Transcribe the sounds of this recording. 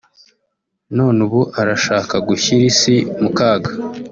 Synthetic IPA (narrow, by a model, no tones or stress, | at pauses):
nonuβuʔaɾaʃaːkaɡuçiɾisimukaːɡa